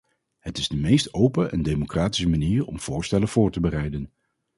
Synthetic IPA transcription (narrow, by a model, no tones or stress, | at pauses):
ɦətɪzdəmejstowpəʔɛndejmokraːti̥səmaniːɹɔ̰mv̥ʊːɹstɛləv̥ʊːɹtəbərɛjdən